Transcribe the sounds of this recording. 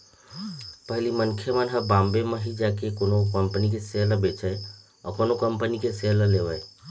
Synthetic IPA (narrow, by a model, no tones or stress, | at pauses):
pəɦlimənkʰjəmənɦəbãmbeməɦid͡ʒakekonokəmpənik̬eseələbet͡ʃəj | ɔ̰konokəmpənikeseələleʋəɪ